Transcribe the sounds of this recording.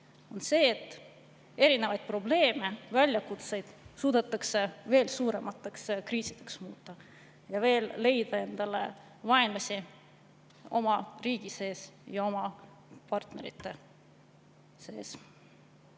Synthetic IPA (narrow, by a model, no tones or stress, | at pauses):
o̞nse̞ːt̪ːˑ | e̞ɾine̞vɑjd̪̥̚pro̞ble̞ːme̞vælʲjɑkut̪se̞jd̪̥suːd̪̥et̪ːˑɑkseve̞ːlsuːɾe̞mɑt̪ːˑekskriːsid̪̥e̞ksmuːt̪ˑːɑ | jɑve̞ːlːe̞jd̪̥ɑe̞nd̪̥ɑle̞̰ | vɑenlɑsʲi | o̞mɑriːɡ̥ise̞ːsjɑo̞mɑ | pɑrt̪ne̞ɾit̪ːˑe̞ | se̞ːs